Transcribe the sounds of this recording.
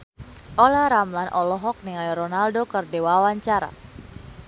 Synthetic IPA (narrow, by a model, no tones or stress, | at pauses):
ʔɔlaɾamlanʔɔlɔɦɔk̚niŋalɾɔnaldokərdewawaɲt͡ʃaɾa̰